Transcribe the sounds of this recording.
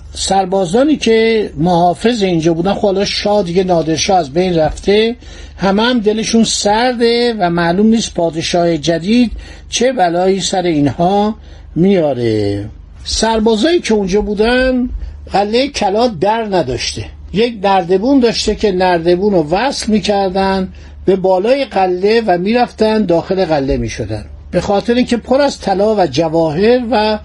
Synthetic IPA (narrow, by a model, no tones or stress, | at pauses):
sæɾbɒːzɒːniːcʰe̞mohɒːfe̞zeind͡ʒɒːbuːd̪ænxobhɒlɒʃɒːd̪iːɟe̞nɒːd̪e̞ɾʃɒːæzbejnræft̪ʰe̞ | hæmeæmd̪e̞le̞ʃunsæɾd̪e̞væmælumniːst̪̚pʰɒːd̪e̞ʃɒːhed͡ʒæd̪iːd̪ | t͡ʃʰe̞bælɒːiːsæɾe̞iːnhɒː | mijɒːɾḛ | sæɾbɒːzɒːiːcʰe̞und͡ʒɒːbuːd̪ænɢælːe̞jecʰælɒːd̪æɾnæd̪ɒːʃt̪e̞ | jecnæɾd̪e̞buːnd̪ɒːʃt̪e̞cʰe̞næɾd̪e̞buːnovæslmiːcʰæɾd̪æn | b̥e̞bɒːlɒːjeɣælːe̞væmiːɾæft̪ænd̪ɒːxe̞le̞ɣælːe̞miːʃo̞d̪æ̰n | be̞xɒːt̪ʰe̞ɾiːncʰe̞pʰoɾæzt̪ʰælɒːvæd͡ʒævɒːɦe̞ɾvæ